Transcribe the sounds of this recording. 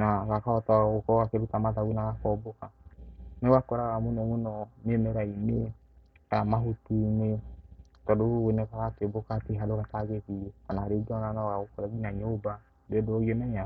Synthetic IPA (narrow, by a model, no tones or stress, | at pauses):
naɣakaɔtaɣokɔakeɾutamaðawinaɣakɔbokanewakɔɾaɣamunɔmunɔmemɛɾaine | amaɦotine | tɔdoenɛkaɣakebokateɦadoɣataɡeβikanaaɾeɡɔnanaɣaokɔɾaɡinaɲoba | dedoɔɣiɔnɛɲa